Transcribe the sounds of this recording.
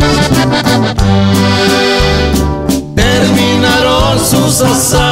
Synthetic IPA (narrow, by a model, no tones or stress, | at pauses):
t̪eɾminaɾonsusasa